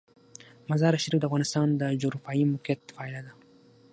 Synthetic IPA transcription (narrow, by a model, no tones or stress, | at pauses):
mazɑɾaʃɾifd̪əafɣɑnɪst̪ɑnd̪əd͡ʒoɡɾɑfɑimʊket̪fɑɪlad̪a